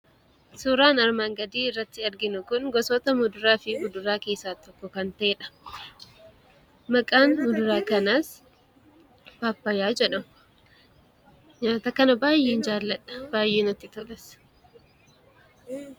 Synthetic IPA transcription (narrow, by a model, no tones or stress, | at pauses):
suːɾaːnɐɾmaːŋɡɐd̪iːɪrːɐt̪ːɪɐɾɡɪnʊkʊnɡɔsɔt̪ɐmʊd̪ʊɾaːfɪbʊd̪ʊɾaːke̞ːsːaːt̪ɔkːɔkɐnt̪ɐʔeːᶑɐ̥ | mɐkʼaːnmʊd̪ʊɾaːkɐnaːs | b̥aːpːɐjaːd͡ʒɛᶑɐmʊ | ɲaːt̪ɐkɐnɐbaːjeːnd͡ʒaːlːɐᶑɐ̥b̥aːjeːnɐt̪ːɪt̪ɔlɛs